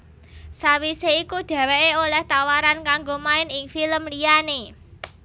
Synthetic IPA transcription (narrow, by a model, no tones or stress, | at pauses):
sawiseikud̪̥ä̤weʔeolɛht̪awaɾankaŋɡomaɪnɪŋfiləmliane